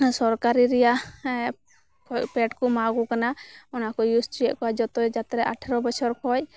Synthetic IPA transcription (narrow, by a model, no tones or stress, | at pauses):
sɔɾkaɾiɾɛja | kɔpɛʈkɔmaɡukanaɔnakɔjusʈɾiɔʔkɔad͡ʒɔt̪ɔd͡ʒat̪ɾɛʔaʈʰɛɾɔbɔt͡ʃʰɔɾkʰɔj